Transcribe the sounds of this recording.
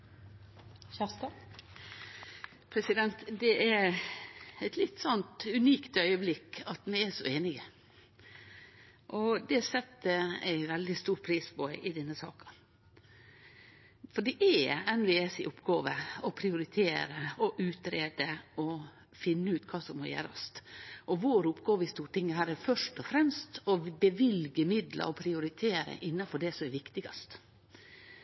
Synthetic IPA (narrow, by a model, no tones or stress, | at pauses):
æst̪ɑ | pʰɾɛsɪd̪ɛnt̪d̪ɛʔæɾ | æɪt̪lɪt̪ːsɔnt̪ʉniːkt̪œʏəblɪkːɑt̪mɪɛʂɔ̰eːnɪɡə | ʔɔd̪ɛsɛt̪ːəæ̰ɪʋɛld̪ɪst̪uːɾpʰɾiːspʰɔɪʔɪd̪ɛnːəsɑ̰ːkɑ̥ | fɔɖɛʔɛɛnʋeːɛsɪ̰ʔʊpːɡoːʋəɔpʰɾɪʊɾɪt̪ʰeːɾəɔʔʉːt̪ɾeːd̪əɔ | fɪnːəʉːt̪kʰɑːsɔmmɔjḛːɾɑ̰st̪ʔɔʋoːɾʊpːɡoːʋəɪst̪uːʈɪŋːəhæːɾæfœʂʈɔfɾɛmst̪ɔbəʋɪlɡəmɪd̪lʔɑ̰ɾɔpʰɾɪʊɾɪt̪ʰeːɾə̰ʔɪnːɑfɔɖɛsɔmɛʋɪkt̪ɪɡɑst̪